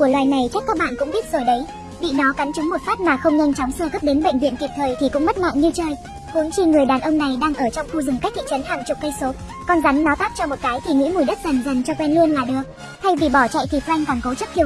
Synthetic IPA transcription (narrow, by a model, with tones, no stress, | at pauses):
ku˧˩əlwaː˨˩jna˨˩jt͡ɕa˦˥k̚kaː˦˥k̚ɓa̰ː˧˨nkʊ̰˧˥ŋ͡mɓi˦˥ət̚z̥o˨˩jɗə˨˦j | vḭ˧˨nɔ˨˦ka˨˦nt͡ɕʊ˨˦ŋ͡mmo˨˩t̚faː˦˥t̚maː˨˩xə˧wŋ͡mɲa˧jŋ̟t͡ɕɔ˨˦wŋ͡msəː˧˩ɣə˦˥p̚ɗe˨˦nɓə̰˧˨jŋ̟vḭ˧ənki˨˩p̚t̪ʰəː˨˩jt̪ʰi˨˩kʊ̰˧˥ŋ͡mmə˦˥t̚mɔ̰˧˨nɲɨ˧t͡ɕəː˧˩j | hu˨˦nxi˧ŋɨ˨˩əjɗaː˨˩nʔə˧wŋ͡mna˨˩jɗaː˧ŋʔəː˧˩t͡ɕɔ˧wŋ͡mxu˧zɨ˨˩ŋka˦˥k̚t̪ʰḭ˧˨t͡ɕə˨˦nhaː˨˩ŋt͡ɕʊ˨˩k͡p̚kə˧jso˨˦ | kɔ˧nza˨˦ŋnɔ˨˦t̪aː˦˥p̚t͡ɕɔ˧mo˨˩t̚kaː˨˦jt̪ʰi˨˩ŋwḭ˧˥mu˧˩jɗə˦˥t̚za˨˩nza˨˩jŋ̟t͡ɕɔ˧kwɛ˧nlu˧ənlaː˨˩ɗəː˨˩ | h̪a˧jvi˨˩ɓɔ˧˩t͡ɕa̰˧˨jt̪ʰi˨˩kwa˧jŋ̟kɔ˨˩nkə˨˦wt͡ɕə˦˥t̪ʰi˧˩